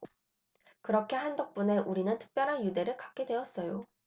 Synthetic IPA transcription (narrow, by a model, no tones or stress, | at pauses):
kɯɾʌkʰe̞handʌk̚p͈une̞ʔuɾinɯntʰɯ̥k̚p͈jʌɾɦanjude̞ɾɯɭkap̚k͈e̞dwe̞ʌs͈ʌjo